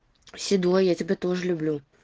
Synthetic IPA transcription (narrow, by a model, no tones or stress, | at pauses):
sʲɪd̪ojjat͡sʲɪbʲet̪oʐɨlʲʊblʲu